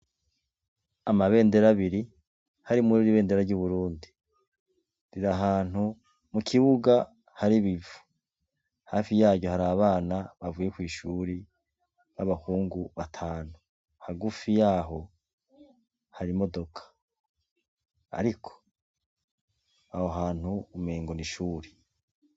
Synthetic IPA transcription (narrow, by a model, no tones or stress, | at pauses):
amaβe̞ːnde̞ɾaβiɾi | haɾimuɾiɾiβe̞ːnde̞ɾaɾɟuβuɾuːndi | ɾiɾaɦaːn̥hu | mukʰiβuɡa | haɾiβivu̥ | haːfijaːɟo̞haɾaːβaːnaβavuje̞kwiːʃuːɾi | βaβahuːŋɡuβatʰaːn̥u | haɡufijaːɦo̞ | haɾimo̞do̞kʰḁ | a̰ɾikʰo̥ | ahoɦaːn̥huumeːŋɡoniʃuːɾe